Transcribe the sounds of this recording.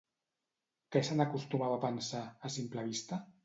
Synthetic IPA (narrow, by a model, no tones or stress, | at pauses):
kɛsanakust̪umaβapənsaːsimplaβist̪a